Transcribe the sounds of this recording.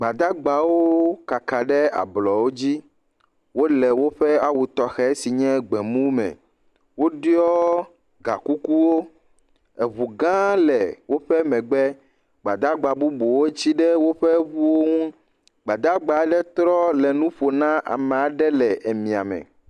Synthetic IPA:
ɡ͡ba˨d̪a˦ɡ͡ba˨wo˦ka˨ka˨ɖɛ˦a̰˨blɔ˨wo˦d͡ʑi˦ | wo˦lɛ˨wo˦ɸɛ˦a˦wu˨t̪ɔ˨xɛ˦si˨ɲɛ̃˦ɡ͡bɛ˨mũ˦mɛ̰˨ | wo˦ɖjɔ˦ | ɡa˨ku˦ku˦wo˦ | e˨βu˨ɡã˦lɛ˨wo˦ɸɛ˦mɛ̃˨ɡ͡bɛ˦ | ɡ͡ba˨d̪a˦ɡ͡ba˨bu˦bo˨wo˦t͡ɕi˦ɖɛ˦wo˦ɸɛ˦βu˦wo˦ŋũ˦ | ɡ͡ba˨d̪a˦ɡ͡ba˨˦ɖɛ˦t̪ɾɔ˦lɛ˨nũ˦ɸo˨nã˦ʔa̰˨mɛ̃˨a˨ɖɛ˦lɛ˨ʔe˨mĩ˨a̰˨mɛ̰̃˨

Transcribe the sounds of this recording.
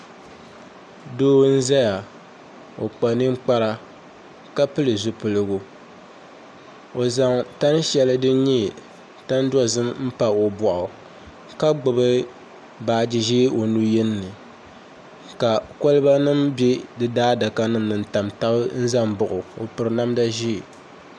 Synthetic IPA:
doː˦n̩˦za˦ja˨ | o˨k͡pa˨nɨ˦ŋ͡m̩˦k͡pa˦ɾa˦ | ka˦pɨ˦lɨ˨zʊ˨pɨ˨lɨ˦ɡʊ˨ | o˨za˨ŋta˦n˦ʃɛ˦lɨ˦dɨ˦ɲi˦˨ | ta˦n˦dɔ˦zɨ˦mm̩˦pa˨o˨bɔ˨ʔʊ˨ | ka˦ɡ͡bʊ˨bɨ˦ | baː˨d͡ʒi˨ʒiː˦o˨nu˦jɛ˦nː˦ɨ˨ | ka˨ko˦lɨ˦ba˦nɨ˦mbɛ˦dɨ˦daː˦da˨ka˦nɨ˦m˨nɨ˨n˨ta˨mta˦bɨ˦n̩˦za˦mbʊ˨ʔʊ˨o˨pɨ˨ɾɨ˨na˦mda˦ʒi˦˨

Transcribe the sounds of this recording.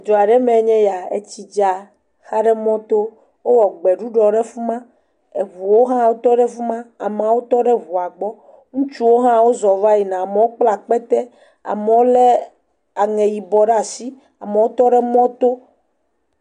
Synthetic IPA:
d͡ʒɔ˨a˨ɖɛ˦mɛ̃˨˦ɲɛ̃˦ja˨ḛ˨t͡ɕi˨d͡ʒa˨ | xa˦ɖɛ˦mɔ̃˦t̪o˦ | wo˦wɔ˨ɡ͡bɛ˨ɖu˦ɖɔ˨ɖe˦fu˦mã˦ | e˨vu˨wo˦ɦã˦wo˦t̪ɔ˦ɖɛ˦fu˦mã˦a˨m˨ã˨wo˦t̪ɔ˦ɖe˦vu˨a˨ɡ͡bɔ˦ | ŋũ˦t͡ʃu˦wo˦ɦã˦wo˦zɔ˨va˦ji˨nã˨a˨me˨wo˦k͡pla˨k͡pɛ˦t̪ɛ˦ | a̰˨me˨wo˦le˦ | a˨ŋɛ̃˨ji˨bɔ˨ɖa˦˨si˦ | a̰˨me˨wo˦t̪ɔ˦ɖe˦mɔ̃˦t̪o˦

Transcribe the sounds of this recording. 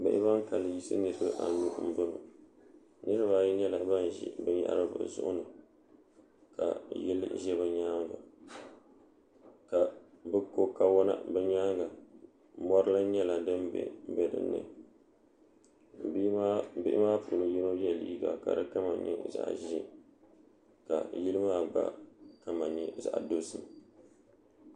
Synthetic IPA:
bɪ˦ʔɪ˦βa˦ŋka˨lɨ˨ji˦sɨ̰˦nɨ˦ɾɨ˦bɨ˦ʔa̰˨nu˦m̩˦bɨ˦lo̰˨ | nɨ˦ɾɨ˦βa˨ji˦ɲɛ˦la˨ba˦n˨ʒḭ˦bɨ˦ɲa̰˦ʔɾɨ˦bɨ̰˨zʊ̰˦ʔʊ̰˦nɨ˨ | ka̰˨jɛ˦lɨ̰˦ʒɛ˦βa˨ɲaː˦ŋ˦ɡa̰˨ | ka˨ | bɨ˦ko˦ka˦wɔ˦na̰˦bɛ˦ɲaː˦ŋɡa˨ | mɔ˦ɾɨ˦la˦ɲɛ˦la˨dɨ˦mbɛ̰˨˦bɛ˨dɨ̰˨nːɨ̰˨ | bi˦bɪ˦ʔɪ˦maː˦pu˨nɨ˨ji˦no˦jɛ˦˨lḭː˦ɡa̰˨ka̰˨dɨ˦ka˦ma˨ɲɛ̰˦za̰˨ʔʒi˦ | ka̰˨ji˦lɨ˦maː˦ba̰˦ka˨ma˨ɲɛ˦za̰˨ʔa˨do˦sɨ˨m

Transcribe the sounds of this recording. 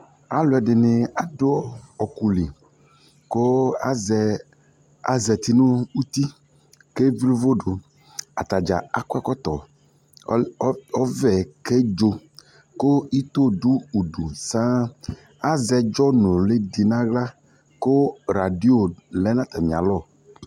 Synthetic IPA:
a˦lo˨˦ɛ˨ɖɪ˨nɪ˨a˨do˦ɔ˦ɔ˨ku˨li˨ | ko˦a˦zɛ˨ | a̰˨zɛ˨t̪i˨nũ˦u˦t̪i˦ | ke˦vi˦lo˦vo˦ɖo˨ | a̰˨t̪a˨d͡ʒa̰˨a˨kwɛ˦kɔ˦t̪ɔ̰˨˦ | ɔ˦vɛ˨ke˦d͡ʒo˦ | ko˦i˦t̪o˦ɖu˦u˨ɖu˨sã˦ | a˦zɛ˨d͡ʒɔ˦nõ˨le˦di˨nã˦ɣla˦ | ko˦ɾa˨di˦o˨lɛ˨˦nã˦t̪a˨mĩ˨a̰˨lɔ˦˨

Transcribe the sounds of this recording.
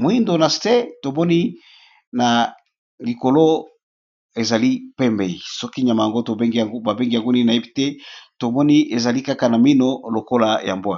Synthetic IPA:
mo˨i˦ndo˨na˨ste˦to˨mɔ˦ni˦ | na˨ | li˨ko˨lo˦ | e˨za˨li˦pɛ˦mbe˨i˨sɔ˦ki˦ɲa˨ma˨ja˨ŋɡo˦to˨be˦ŋɡi˨a˨ɡo˦ba˨be˦ŋɡi˦ja˨ŋɡu˦ni˦na˨e˦pi˦te˦to˨mɔ˦ni˦e˨za˨li˦ka˦ka˨na˨mi˦no˦lo˨ko˦la˨ja̰˨mbo˦a˨

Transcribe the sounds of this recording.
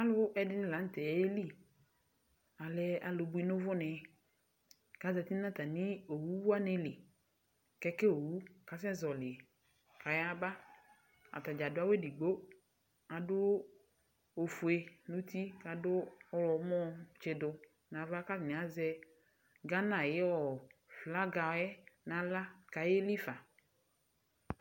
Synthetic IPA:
a˦lʊ˦ʔɛ˨dɪ˦nɪ̃˦˨la˨˦n̩˦tɛ˨˦e˦li˦˨ | a˨lɛ˦a˨lʊ˨bʊ˦i˦nʊ˦vʊ˦nɛ˨ | ka˨zɛ˨ti˦a˦t̪a˨nɪ˦o˨wu˦a˦nɪ˦lɪ˨ | kɛ˦kɛ˦o˨wu˦˨ka˨sɛ˦zɔ˨lɪ˨ | ka˨ja˦ba˦ | a̰˨ta˨d͡ʒa˨dʊ˦a˦wɛ˦di˨ɡ͡bo˦ | a˨dʊ˦ | o˨fu˨e˨nũ˦t̪i˦ka˨dʊ˦ɔ˦lɔ˨˦mɔ̃˦t͡ʃɪ˨dʊ˨ | nã˨va˦ka˦fnɪ̃˨a˦zɛ˦ | ɡa˦nã˨jɪ˦ɔ˨fla˦ɡa˨˦ɛ˦nã˨la˦ka˨je˦li˦fa˨

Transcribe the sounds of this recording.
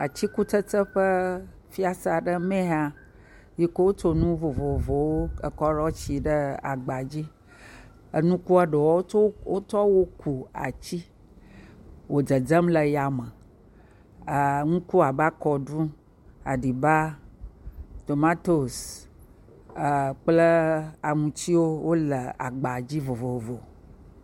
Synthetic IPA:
a˨t͡ɕi˦ku˦tə˦tə˦ɸə˦ | fi˦a˦sa˨ɖə˦mẽ˦ɦa˦ | ji˦ko˦wo˦to˦nũ˦vo˨vo˨vo˨wo˦ə˨kɔ˦ɖɔ˦t͡ɕi˨ɖə˦a̰˨ɡ͡ba˨d͡ʑi˦ | ə˦nũ˦ku˦a˦ɖe˨wɔ˦wo˦tɔ˦wo˦ku˨a̰˨t͡ɕi˦ | wo˨d͡zə˨d͡zə˦mlə˨ja˨mə˨ | ŋũ˦ku˦a˨ba˦kɔ˨ɖũ˦ | a˨ɖi˨ba˦ | t̪o˨ma˦t̪o˨s | k͡plə˦a˨ŋũ˨t͡ɕi˦wo˦wo˦lə˨a̰˨ɡ͡ba˨d͡ʑi˦vo˨vo˨o˨vo˨

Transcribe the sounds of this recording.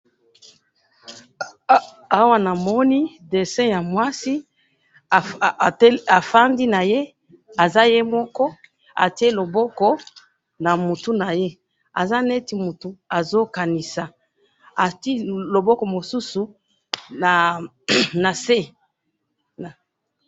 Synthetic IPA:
a˦wa˦na˨mɔ˦ni˦ | de˨sɛ̃˦ja˨mwa˦si˦˨˦ | a˨fa˦ndi˦na˨je˦ | a˨za˦je˦mɔ˦kɔ˦ | a̰˨ti˦e˦lo˨bɔ˦kɔ˦ | na˨mu˨tu˦na˨je˦ | a̰˨za˦ne˦ti˨mu˨tu˨a˨zo˦ka˨ni˨sa˨ | a˨ti˦lo˨bɔ˦kɔ˨mo˨su˦su˨ | na˨ | na˨se˦ | na˨

